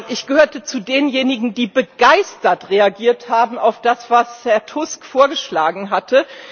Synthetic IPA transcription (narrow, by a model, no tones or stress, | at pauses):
ʔɪçɡ̥əhøːɐtət͡sudeːnjeːnɪɡŋ̩diːbəɡaɪstɐtʁeaɡiːɐthaːbm̩aʊfd̥asv̥ashɛɐtʰʊskfoːɐɡəʃlaːɡŋ̩ɦatʰə